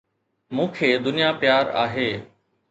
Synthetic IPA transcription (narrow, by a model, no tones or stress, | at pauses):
mũːkʰeːd̪ʊnijapɪjaːɾa̰ːɦeː